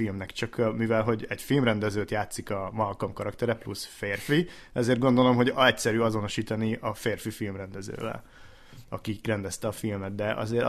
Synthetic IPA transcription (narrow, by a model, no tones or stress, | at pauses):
ilmnɛkt͡ʃɒkmivɛlɦo̞ɟɛɟfilmrɛnd̪ɛzøːt̪jaːt̪sikɒmɒlkɒmkɒɾɒkt̪ɛɾɛplṵsfeːrfi | ɛzeːrd̪ɡo̞nd̪o̞lo̞mɦo̞ɟɛcsɛɾyːɒzo̞no̞ʃiːt̪ɒniɒfeːrfifilmrɛnd̪ɛzø̰ːvɛ̰l | ɒ̰kirɛnd̪ɛst̪ɛɒfilmɛt̪̚d̪ɛʔɒ̰zeːɾ